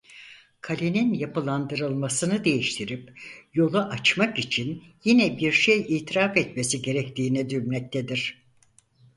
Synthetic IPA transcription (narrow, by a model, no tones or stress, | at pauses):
kʰalʲeninjapɯlˠand̪ɯɾɯlˠmasɯnɯd̪e̞jiʃt̪ʰiɾipjo̞lˠaʔat͡ʃmakit͡ʃʰinjinɛbiɾʃejiːt̪ʰiɾafɛt̪mesiɟe̞ɾɛct̪ʰiːnɛd̪yɾnʲɛc̚t̪ʰed̪iɾ̥